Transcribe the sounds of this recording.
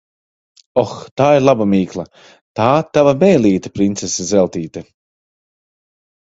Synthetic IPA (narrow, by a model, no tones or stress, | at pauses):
ɔxt̪aːiɾlˠabamiːklˠɐ | t̪aːt̪avabɛːlˠiːt̪ɐ̥pɾint̪sesazɛlˠt̪iːt̪ɐ